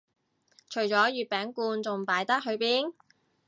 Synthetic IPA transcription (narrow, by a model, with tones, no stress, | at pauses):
t͡ʃʰɵ˨˩ɥt͡sɔː˨˥jyː˨t̚pɛː˨˥ŋkuː˧nt͡sʊ˨ŋpaː˨˥jt̪ɐ˥k̚ɦɵ˨˧ɥpiː˥n